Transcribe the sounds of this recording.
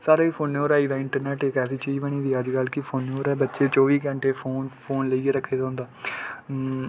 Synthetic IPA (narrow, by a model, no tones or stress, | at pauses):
saːɾaːiːpʰoːnːoːɾaːiːd̪aːɪɳʈəɾnɛːʈekɛːsiːt͡ʃiːd͡ʒbəɽ̃iːd̪iːəd͡ʒkəlkɪpʰoːnːoːɾɛːbətːʃeːt͡ʃɔːʋiːkə̃ɳʈeːpʰoːnpʰoːnləiːeːɾəkʰːeːd̪aːʊ̃nd̪aː